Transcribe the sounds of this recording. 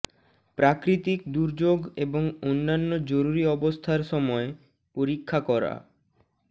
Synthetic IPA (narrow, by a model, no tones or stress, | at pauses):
pɾakɾit̪ikd̪uɾd͡ʑoɡeboŋonːanːod͡ʑoɾuɾiɔbost̪ʰaɾʃɔmɔe | poɾikʰːakɔɾa̰